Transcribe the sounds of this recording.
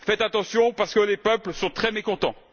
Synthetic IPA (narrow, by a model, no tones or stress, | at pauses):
fɛt̪at̪ɑ̃sjɔ̃paʁsə̥kəlepœplsɔ̃t̪χɛmekɔ̃t̪ɑ̰̃